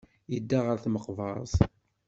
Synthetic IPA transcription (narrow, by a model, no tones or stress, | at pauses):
jəd̪ːaʁəɾθməqvɑzˤ